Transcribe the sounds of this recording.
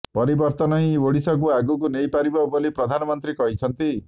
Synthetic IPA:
pɔɾibɔɾt̪ɔnɔɦĩoɽisɔk̬uaɡukunejpaɾibɔbolipɾɔd̪ʱanɔmɔnt̪ɾikɔɦit͡ʃʰɔnt̪i

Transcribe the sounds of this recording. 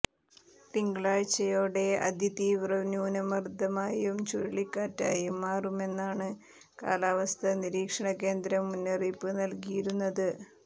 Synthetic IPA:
piŋɡɭaːɻt͡ɕːɐjoːɽe̞ɐ̰d̪jɐt̪iːʋrɐʋnjuːnɐmɐrd̪ʱɐmaːjumt͡ɕuɾiɭikːaːtːa̰ːjumːaːrume̞nːaːɳɨ | ka̰ːlaːʋɐst̪ʰɐniɾiːkʂɐɳɐke̞ːnd̪ɾɐmːunːeripːɨnɐlkijiɾunːɐðɨ

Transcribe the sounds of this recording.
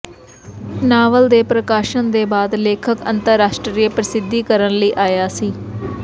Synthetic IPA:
naːʋəld̪eːpɾəkaːʃənd̪eːbaːd̪leːkʰəkə̰nt̪əɾːaːʃʈɾɾiːepɾəsɪd̪ʱːiːkəɾənləiːʔaːjaːsiː

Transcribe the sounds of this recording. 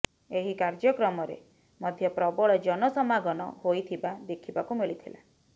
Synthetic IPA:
eɦikaɾd͡ʒɔkɾɔmɔɾḛ | mɔd̪ʱjɔpɾɔbɔɭɔd͡ʒɔnɔsɔmaɡɔnɔ̰hojt̪ʰibad̪ekʰibakumiɭit̪ʰila̰

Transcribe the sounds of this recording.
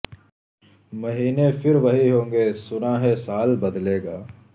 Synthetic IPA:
mɐɦiːnefɪɾʋɐɦiɦõːŋɡeːsʊnaɦɛsaːlbɐd̪leːɡaː

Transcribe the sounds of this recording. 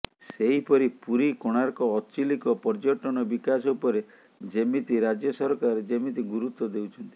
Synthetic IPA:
seɦipɔɾipuɾikoɽ̃aɾkɔːt͡ʃilikɔpɔɾd͡ʒɔʈɔñɔbikas̬ɔupɔɾe | d͡ʒemit̪iɾad͡ʒjɔsɔɾɔkaɾɾed͡ʒemit̪iɡuɾut̪wɔd̪ewt͡ʃʰɔnt̪i̥

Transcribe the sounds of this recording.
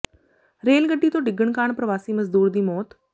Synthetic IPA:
ɾeːlɡəɖːiːt̪õːɖɪɡːəɳkaːɳpɾəʋaːsiːməzd̪uːɾd̪iːmɔːt̪

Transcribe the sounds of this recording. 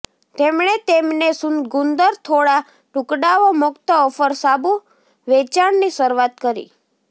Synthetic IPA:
t̪emɳ̃et̪emnesunɡund̪əɾt̪ʰoɽa | ʈʊkɖaʋomʊkt̪əɔfəɾsabu | ʋet͡ʃaɳnisəɾʋat̪kəɾḭ

